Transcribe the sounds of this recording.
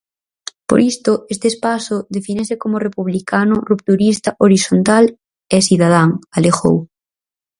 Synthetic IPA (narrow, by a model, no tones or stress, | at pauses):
po̰ɾʔist̪oʔest̪eːspasʊðefinesekomorepuβlikanʊrup̚t̪uɾist̪aʔoɾisont̪al | esiðað̞aŋalexo̰w